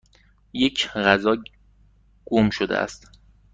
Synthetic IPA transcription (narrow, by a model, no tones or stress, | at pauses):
jecʰɣæzɒː | ɡ̥omʃod̪ḛʔæ̰st̪